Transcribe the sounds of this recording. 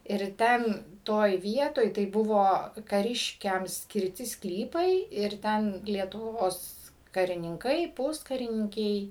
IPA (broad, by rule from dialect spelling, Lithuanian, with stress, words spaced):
ɪr ˈtʲɛn ˈtoːj ˈʋʲiɛtoːj tɐɪ ˈbʊʋoː kɐˈrʲɪʃʲkʲɛm sʲkʲɪrʲˈtʲɪ ˈsklʲiːpɐɪ ɪr ˈtʲɛn lʲiɛtʊˈʋoːs kɐrʲɪnʲɪŋˈkɐɪ ˈpʊskɐrʲɪnʲɪŋʲkʲɛɪ